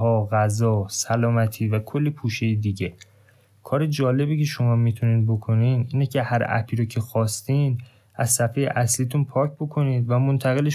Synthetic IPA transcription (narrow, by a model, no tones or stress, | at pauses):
ɦɒːɣæzɒːsælɒːmæt̪ʰiːvækʰo̞lːipʰuːʃejed̪iːɟe | kʰɒːɾe̞d͡ʒɒːle̞biːcʰe̞ʃo̞mɒːmiːt̪ʰuniːnbo̞kʰo̞niːniːnecʰe̞hæɾæ̰pʰiːɾocʰe̞xɒːst̪iːnd̪ | ʔæzsæfejḛʔæsliːt̪ʰunpʰɒːcʰbo̞kʰo̞niːd̪væmont̪ʰæɣe̞leʃ